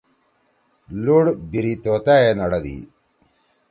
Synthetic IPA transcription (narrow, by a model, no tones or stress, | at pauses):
luɽbiɾit̪ot̪aenɐɽɐd̪ḭ